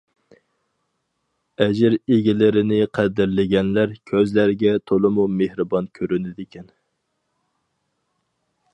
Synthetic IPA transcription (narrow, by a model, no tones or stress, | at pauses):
ɛd͡ʒɪɾeɡʲɪlɪɾɪnɪqʰæd̪ɪɾlɪɡʲɛnlæɾkʲʰøzlæɾɡʲɛt̪ʰolˠɨmumehɾɨbɑnkʲʰøɾynɪd̪ɪkʲʰɛn